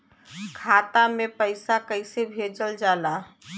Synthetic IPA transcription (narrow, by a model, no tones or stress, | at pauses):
kʰat̪amepəɪsakəɪsebʱed͡ʒəld͡ʒala